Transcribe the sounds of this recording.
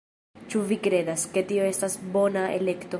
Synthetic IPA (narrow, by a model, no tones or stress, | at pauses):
t͡ʃuvikɾe̞daske̞tio̞e̞stasbo̞naḛle̞kto̞